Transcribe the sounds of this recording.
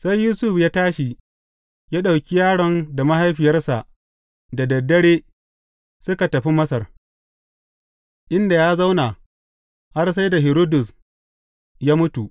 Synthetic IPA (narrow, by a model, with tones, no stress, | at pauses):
sa˦jːuː˦sʊ˦ɸjaː˦taː˦ʃi˨ | jaː˦ɗa˨wkʲi˦jaː˦ɽɔ˨˦nda˨ma˦ha˦jɸɪ˨jɐ˦rsa˨ʔ | da˨dɐ˨dːɐ˦ɽeː˦ | sʊ˦ka˨tɐ˨ɸi˦mɐ˦sɐ˨r | ʔɪ˦nda˨jaː˦za˦wna˨ | ha˦rsa˦jda˨ɦɪ˨ɾoː˦dʊ˨s | jaː˦mʊ˦tu˨ʔ